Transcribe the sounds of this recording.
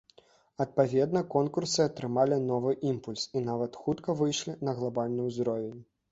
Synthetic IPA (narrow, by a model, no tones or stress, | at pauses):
ɐt̪̚pavʲɛd̪̚nɐkɔnkursɨɐt̪ɾɨmalʲinɔvɨʔimpulʲsinavɐt̪xut̪kɐvɨjʂlʲinɐɣlˠabalʲnɨjwzd̪ɾɔvʲenʲ